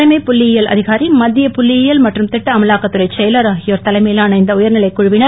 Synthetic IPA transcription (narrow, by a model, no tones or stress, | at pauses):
ɐɪmɐɪpʊlːɪjjɐlɐ̰ðɪɣaːɾimɐd̪ːɪjɐpʊlːɪjɪjɐlmɐʈrɯmt̪ɪʈːɐɐmɐlaːkːɐt̪ːɯrɐɪt͡ʃɛjɐlɐɾaːɣɪjoːɾt̪ɐlɐɪmɐjɪlaɐnɐɪnd̪ɐʊjɐɾnɪlɐɪkːʊɻʊʋɪnɐ